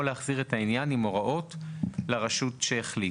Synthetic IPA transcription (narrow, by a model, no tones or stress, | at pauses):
oleaχziʁetainjanimo̞ʁaʔo̞tleʁaʃutʃeːχli